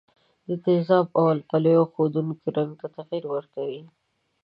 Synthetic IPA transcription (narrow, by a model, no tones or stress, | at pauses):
d̪ət̪ɪzɑbawalpaləjoxod̪unkiɾaŋɡ̚t̪at̪aɣiɾwəɾkawi